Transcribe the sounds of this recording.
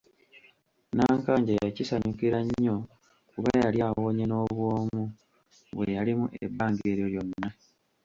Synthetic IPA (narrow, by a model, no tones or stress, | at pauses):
naːŋkaːɲɟajacisaɲukiɾaɲːo̞ | kuβajaljaːwo̞ːɲeno̞ːβwo̞ːmu | βwejalimuʔe̞̰baːŋɡie̞ːɾjoljo̞nːa